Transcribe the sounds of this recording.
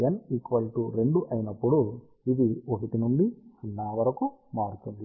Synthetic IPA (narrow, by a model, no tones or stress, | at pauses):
jɐnikʋɐlʈuɾe̞ɳɖuʔɐjinɐpːuɽu | id̪iokit̪inuɳɖit͡ʃinːaːʋɐɾɐkumaːɽut̪und̪i